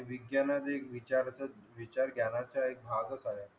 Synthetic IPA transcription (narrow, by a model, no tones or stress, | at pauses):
iʋiɡjanad̪ekʋit͡ɕaɾt͡səʋit͡ɕaɾɡʱjanat͡sjaek̚bʱaɡət͡saɦja